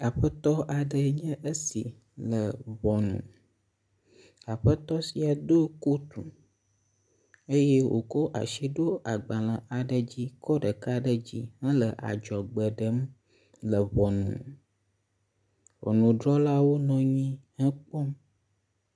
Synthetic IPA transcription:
a˨ɸə˦t̪ɔ˦ʔa˨ɖə˨ɲə̃˦ʔə˦sḭ˨ | lə˨βɔ˨nṵ̃˨ | a˨ɸə˦t̪ɔ˦si˨a˨d̪o˦ko˦t̪u˨ | ə˦je˦wo̰˨ko˦ʔa̰˨ʃi˦ɖo˦a˨ɡ͡ba˨lə̃˨ʔa˨ɖə˨d͡ʑi˦kɔ˦ɖə˨ka˦ɖə˨d͡ʑi˦ɦə̃˦lə˨ʔa̰˨d͡ʒɔ˨ɡ͡bə˨ɖə˦m | lə˨βɔ˨nṵ̃˨ | vɔ̰˨nũ˨ɖɾɔ˦la˦wo˦nɔ̃˨ɲĩ˦hə̃˦k͡pɔ˦m

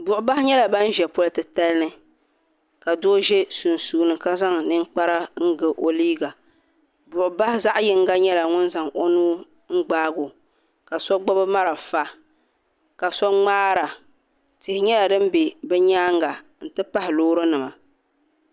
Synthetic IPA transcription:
bʊ˨ʔʊ˨ba˦hɪ˦ɲɛ˦la˨ba˦n˦ʒɛ˨pʊ˦ltɨ˨ta˦lnɨ˦ | ka˨doː˦ʒɛ˦su˨n˨suː˨nɨ˨ka˦za˦ŋnɨ˦ŋk͡pa˦ɾa˦ŋ̩˦ɡɨ˨ʔo˨liː˦ɡa˨ | bʊ˨ʔʊ˨ba˦hɪ˦za˦ʔjɪ˦ŋ˦ɡa˦ɲɛ˦la˨ŋʊ˦nza˨ŋo˦nuː˦ | ŋ̩˦ɡ͡baː˦ɡo˨ | ka˨sɔ˦ɡ͡ba˦bɨ˦ma˦ɾa˨fa˦ | ka˨sɔ˦ŋ͡maː˦ɾa˨ | tɪ˨hɪ˨ɲɛ˦la˨dɨ˦m˦be˨bɛ˦ɲaː˦ŋɡa˨ | n̩˦tɨ˦pa˦hɪ˨loː˦ɾɨ˦nɨ˨ma˨

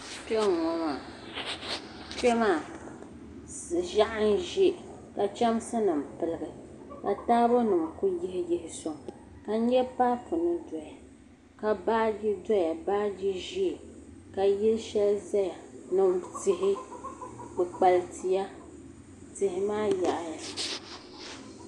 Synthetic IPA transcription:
pɛ˦ŋɔ˨ma˨ | t͡ʃɛ˦maː˦˨ | ʒa˦ʔɨ˦n˦ʒi˦ | ka˨t͡ʃa˦msa˦nɨ˨m̩˨pɨ˨lɨ˨ɡɨ˨ka˨taː˦bo˦nɨ˨m˨ku˦ji˦hɪ˦ji˦hɪ˨sɔ˨ŋ˨ | ka˨n̩˦ɲɛ˦paː˦pʊ˨nɨ˦dɔ˨ja˨ | ka˨baː˦d͡ʒi˦dɔ˦ja˨baː˦d͡ʒi˦ʒi˦˨ | ka˨ji˦lʃɛ˦lza˦ja˨nɨ˨mtɪ˨hɪ˦ | bɨ˨k͡pa˨ltʰi˨ja˦ | tɪ˨hɪ˦maː˦ja˨ʔja˦

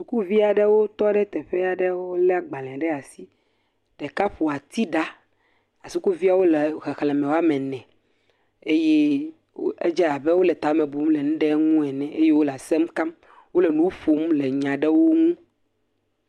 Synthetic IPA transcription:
su˨ku˦vi˦a˨ɖɛ˦wo˦t̪ɔ˦ɖɛ˦t̪ɛ˨ɸɛ˦a˨ɖɛ˦wo˦o˦lɛ˦a˨ɡ͡ba˨lɛ̃˨a˨ɖɛ˦a˨si˦ | ɖ̥ɛ˨ka˦ɸo˨a˨t̪i˦ɖa˦ | a˨su˦ku˦vi˦a˨wo˦lɛ˨ɣɛ˨xlɛ̃˨mɛ̃˨wa˦mɛ̃˨nɛ̃˨ | e˦je˦ | wḛ˦d͡ʒɛ˦a˨bɛ˦wo˦lɛ˨t̪a˨˦mẽ˨bu˨mlɛ˨nũ˦ɖɛ˦ŋũ˦ɛ˨nɛ̃˨ʔe˦je˦wo˦la˨sɛ˦mka˦m | wo˦lɛ˨nũ˦ɸo˨mlɛ˨ɲã˨ɖɛ˦wo˦ŋũ˦

